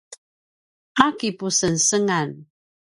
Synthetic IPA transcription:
ʔakipusənsəŋan

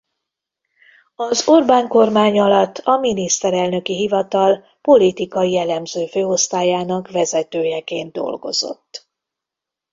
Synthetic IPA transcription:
ɒzo̞rbaːŋko̞rmaːɲɒlɒt̪ːɒminist̪ɛɾɛlnø̞kiɦivɒt̪ɒl | po̞lit̪ikɒijɛlɛmzøːføːo̞st̪aːjaːnɒkʋɛzɛt̪øːjɛkeːnd̪̚d̪o̞̰lɡo̞̰z̥o̞̰t̪ː

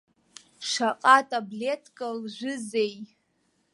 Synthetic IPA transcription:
ʂaqʼatʼabletʰʼkʼalʒʷʊzej

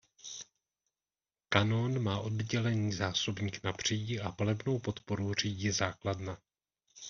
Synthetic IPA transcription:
kanonmaːʔo̞dɟɛlɛɲiːzaːso̞bɲiːknabr̝̥iːɟɪʔapalɛbno̞wpo̞t̪po̞ɾur̝iːɟizaːkladna

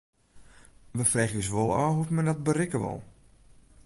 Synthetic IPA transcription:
ʋəfrɛːxəs̬ʋolˠɔ̰ːhutmɛndɔt̚bərɪkəʋɔ̰lˠ

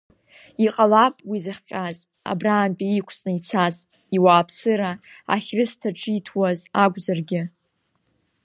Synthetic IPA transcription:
iqʼalapʼwizɨχʲqʲʼaz | a̰braːmpʼiikʷʰt͡sʼnɨit͡sʰaz | iwaːpʰsɨɾa | a̰χʲrɨstʰaʈ͡ʂʰʼitʰwazaɡʷzarɡʲɪ

